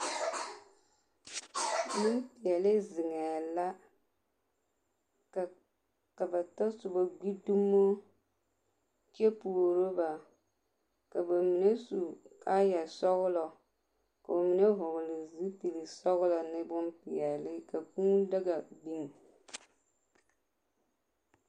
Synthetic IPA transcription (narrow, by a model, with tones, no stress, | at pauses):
mi˦npi˨ɛ˨lɪ˦zɪ˨ŋɛ˨la˦ | ka˨ | ka˨ba˨ta˦sʊ˨ba˨ɡ͡bi˦du˦mːo˦ | t͡ʃe˦pu˨ɾo˦ba˨ | ka˨ba˨mi˨ne˦su˨ka˦ja˨sɔ˦ɣʊ˦lɔ˨ | ka˨ba˨mi˨ne˦ɦʊ˨ɣʊ˨lɪ˨zi˦ti˨li˨sɔ˦ɣʊ˦lɔ˨nɪ˦bʊ˦mpi˨ɛ˨lɪ˦ka˨ku˦da˦ɡa˨bi˦ŋ˨